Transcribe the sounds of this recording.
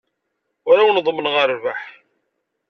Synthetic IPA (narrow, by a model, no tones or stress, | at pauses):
ʊɾawənðˤəmːənʁəɾvaħ